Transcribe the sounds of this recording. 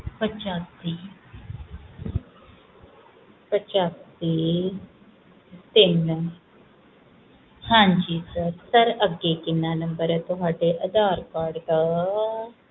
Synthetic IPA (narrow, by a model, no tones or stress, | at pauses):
pət͡ʃaːsiː | pət͡ʃaːsiː | t̪ɪn | hãːɲd͡ʒiːsəsəɾəɡeːkɪnːaːnəmbəɾt̪ʊɦaːɖeːʔəd̪aːɾkaːɾɖt̪a